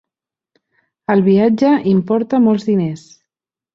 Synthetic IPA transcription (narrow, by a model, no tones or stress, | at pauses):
əlˠβiad͡ʒəʔimpɔɾt̪əmɔlˠzðines